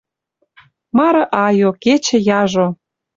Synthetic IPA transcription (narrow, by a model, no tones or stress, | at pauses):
mɑɾɤ̆ʔɑjoket͡ɕĕjɑʒo